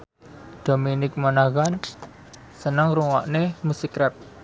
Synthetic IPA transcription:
d̪̥ominɪk̚manaɣan | sənəŋɾuŋwa̰ʔnemusikɾɛp̚

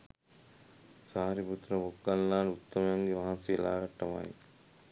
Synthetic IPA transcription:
saːɾibut̪ɾɐʋokːɐlːaːnut̪ːɐmɐjaŋɡeʋaɦɐnsielaːɡɐʈːɐʋa̰jḭ

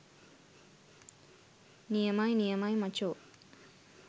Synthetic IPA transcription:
nijɐmajnijɐmaːjmɐt͡ʃoː

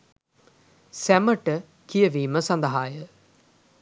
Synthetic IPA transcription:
sæməʈə | kijəʋiːməsand̪əɦaːjə

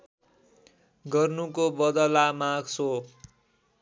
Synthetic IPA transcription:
ɡʌrnukobʌd̪ʌlamaɡso

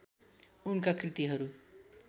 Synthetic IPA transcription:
unkakrit̪iɦʌɾu

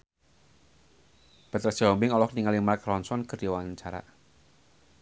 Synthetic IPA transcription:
bɛt̪ɾɛsɔmbɪŋɔlɔhniŋalimakɾɔnsɔnkərdiwant͡ʃaɾa̰

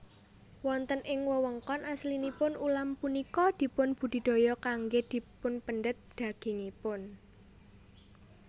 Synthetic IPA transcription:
wɔnt̪ənʔɪŋwəwəŋkɔnaslinipʊnulampunikɔd̪̥i̤pʊnb̥ṳd̪̥i̤d̪̥o̤jɔkaŋɡed̪̥i̤pʊnpənɖət̪̚d̪̥ä̤ɡ̥e̤ŋipʊn

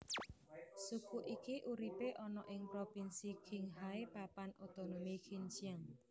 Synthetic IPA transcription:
sukuʔikiʔuɾipeʔɔnɔʔɪŋpɾopinsikʰɪŋɦaepapanot̪onomikʰint͡ʃiaŋ

